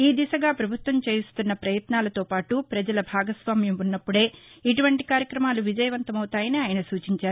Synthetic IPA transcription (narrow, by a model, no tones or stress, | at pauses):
iːd̪isɐɡaːpɾɐbʱut̪ʋɐmt͡ʃe̞ːjust̪unːɐpɾɐjɐt̪naːlɐt̪o̞ːpaːʈupɾɐd͡ʒɐlɐbʱaːɡɐsʋaːmjɐmunːɐpːuɽe̞ːiʈuʋɐɳʈikaːɾjɐkɾɐmaːluʋid͡ʒɐjɐʋɐnt̪ɐmɐwut̪aːjɐniaːjɐnɐsuːt͡ʃiɲt͡ʃaːɾu